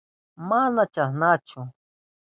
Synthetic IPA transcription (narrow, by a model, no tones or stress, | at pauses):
manat͡ʃahnat͡ʃʊ